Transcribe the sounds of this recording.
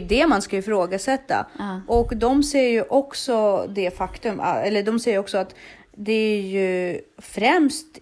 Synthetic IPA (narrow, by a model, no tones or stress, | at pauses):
d̪ɛmanskaɪfɾoːɡasɛt̪ːa̰ʔɔkd̪ɔmsɛjːəɾjɵʔɔksɔd̪ɛfakt̪ɵma̰ɛlːəɖɔmsɛjəɾɔksɔat̪ | d̪ɛæɾjɵfɾɛmst̪